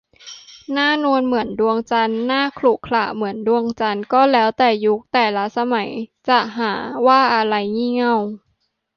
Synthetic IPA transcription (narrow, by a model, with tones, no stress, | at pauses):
naː˥˩nu˧ənmɯ˩˦əndu˧əŋt͡ɕa˧nːaː˥˩kʰluː˨˩kʰlaː˨˩mɯ˩˦əndu˧əŋt͡ɕa˧nkɔː˥˩lɛː˦˥wt̪ɛː˨˩ju˦˥k̚t̪ɛː˨˩la˦˥sa˧ma˩˦jt͡ɕa˨˩ʔɦaː˩˦waː˥˩ʔa˧ɾa˧jŋiː˥˩ŋa˥˩w